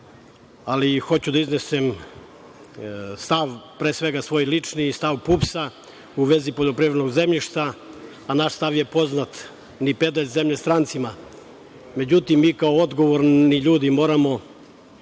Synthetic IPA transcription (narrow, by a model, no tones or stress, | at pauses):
alixo̞t͡ɕud̪aiznesem | st̪aʋpɾeːsʋeɡasʋo̞jlit͡ʂnist̪aʋpupsa | uʋe̞zipoʎopɾiʋd̪noɡzemʎiʃt̪aː | naʃst̪aʋjepo̞znat̪ | nipe̞d̪aʎʲzemʎest̪ɾant̪sima | me̞d͡ʑut̪imːiːkaood̪ɡoʋoɾniʎuːd̪imo̞ːɾamo̞